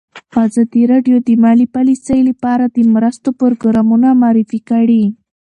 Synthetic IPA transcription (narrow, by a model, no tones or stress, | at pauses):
ɑzɑd̪iɾɑɖjod̪əmɑlipalisəjləpɑɾad̪əmɾast̪opoɾɡɾɑmunamɑɾifikaɽi